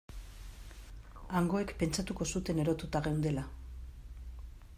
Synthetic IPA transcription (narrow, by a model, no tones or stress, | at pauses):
aŋɡo̞e̞kpe̞nt͡ʃat̪uko̞sut̪e̞ne̞ɾo̞t̪ut̪aɣewnd̪e̞la